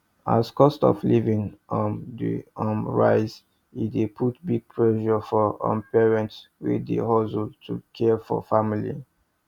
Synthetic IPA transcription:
askɔstɔ̰flivĩŋdɔ̃mɹaɪz | idepʰutbiɡ̚pʰɹɛʃɔfɔɔ̰̃mpɛɹɛ̃ntswḭdḛhɔzutʰukʰɛfɔ̰familḭ

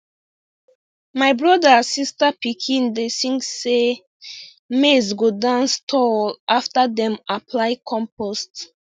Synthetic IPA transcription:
majbɹɔdasistapikʰĩndesĩŋse | mesɡodãnstʰɔlʔaftadɛ̃mʔapʰlaɪkʰɔ̃mpɔst

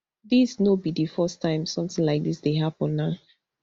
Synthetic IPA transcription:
disnobidifɜstʰãɪ̃msɔ̃mθɪ̃ŋlaɪk̚disdeɦapə̃nːaʊ

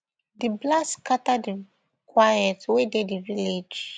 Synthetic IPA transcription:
diblaskatadi | kʰwajɛtwedediviled͡ʒ

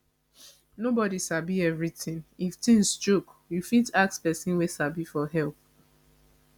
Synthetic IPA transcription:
nobɔdisabiɛvɹitĩŋiftĩnstɹukjufitak̚spɛsĩnwesabifɔɦɛlˠp̚

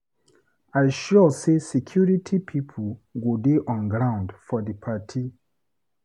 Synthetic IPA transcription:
ajʃɔsesɛkʰjuɹitʰipʰipʰuɡudeʔɔ̃nɡɾãw̃ndfɔdəpʰatʰi

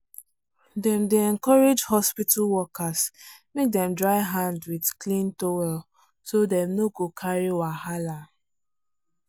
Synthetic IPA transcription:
dɛ̃mdeɛ̃nkɔɹed͡ʒhɔspitalwɔkasmek̚dɛ̃mdɹaɪɦãndwidklĩntowɛl | sodɛ̃mnoɡokʰaɹiwahala

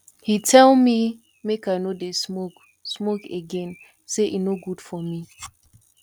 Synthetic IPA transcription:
hitʰɛlˠmi | mekajnodesmok | smokeɡɛ̃n | seʔinoɡud̥fɔmi

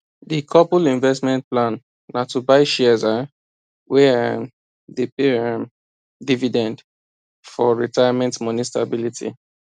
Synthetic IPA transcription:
dikʰɔpulĩnvɛstmɛ̃ntplãnː | atubaɪʃiɛza | wɛ | depeãm | dividɛ̃nd | fɔɹitajamɛ̃ntmɔnistabilitʰḭ

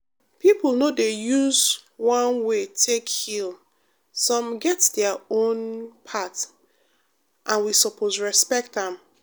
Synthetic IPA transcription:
piplˠnodejuzwɔ̃nwetʰekhil | sɔ̃mɡɛtdɛaõnpʰat | ʔãnwisɔpʰozɹɛspɛk̚tdɛ̃m

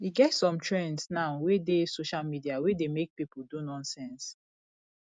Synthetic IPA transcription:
iɡɛtsɔ̃mtʰɹɛ̃nsnaʊwedesoʃalmidiawedemek̚pipuldunɔ̃nsɛ̃ns

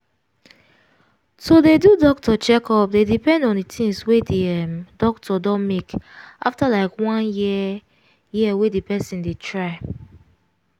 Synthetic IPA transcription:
sodedudɔk̚tʰɔt͡ʃɛkɔp̚dedipɛ̃ndɔ̃nditʰĩŋswediɛmdɔk̚tʰɔdɔ̃nmeka̰ftalaɪkwãnji | jiəwedipɛsĩndetʰɹaɪ

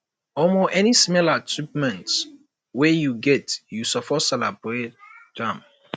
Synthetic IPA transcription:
ɔlmoʔɛnisimɛlaat͡ʃipmɛ̃nts | wɛjuɡɛtjusɔfɔtsɛlabɹet̚d͡ʒãm

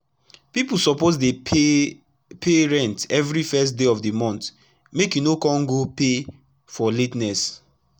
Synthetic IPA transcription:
pipusɔpozde | pʰeɹɛ̃ntɛvɾifɛstdeɔfdimɔ̃nt | mekjunokɔ̃ŋ̩ɡope | fɔletnɛs

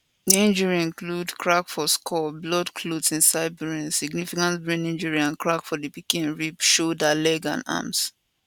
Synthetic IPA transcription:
ĩnd͡ʒəɹiĩnkludkʰɹakfɔskʰɔblɔdkʰlodsĩnsaɪbɹĩnsiɡ̚nifikãntbɹĩnĩnd͡ʒəɹiãnkɹakfɔdipikĩnɹipʃodalɛɡã̰na̰ms

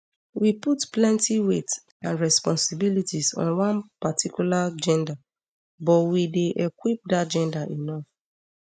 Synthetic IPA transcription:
wiputplɛ̃ntiwets | ãnɹɛspɔ̃nsibilitisɔ̰̃nwɔ̃npatikjulad͡ʒɛ̃nda | bɔtwideʔɛkwip̚dat̚d͡ʒɛ̃ndaʔinɔf

